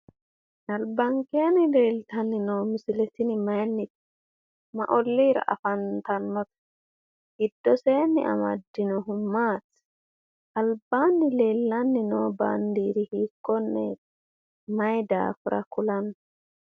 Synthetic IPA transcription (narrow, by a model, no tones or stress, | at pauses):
nɐlbɐŋkʼe̞ːnɪle̞ːlt̪ɐnːɪnoːmɪsɪlɛt̪ɪnɪmɐjnːɪt̪ | mɐ̰ʔɔlːiːɾɐ̰ʔɐ̰fɐnt̪ɐnːɔt̪ɐ̥ | ɡɪd̪ːɔse̞ːnːɪ̰ʔɐ̰mɐ̰d̪ːɪnɔɦʊmːaːt̪ | ʔɐlbaːnːɪle̞ːlːɐnːɪnoːba̰ːnd̪iːɾɪhiːkːɔnːɛ̰ | mɐjd̪a̰ːfʊɾʔɐ̰kʊlɐnː